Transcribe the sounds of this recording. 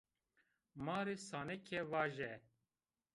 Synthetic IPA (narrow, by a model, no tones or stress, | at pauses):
mɑːɾesaːnɛkʰɛwaːʒɛ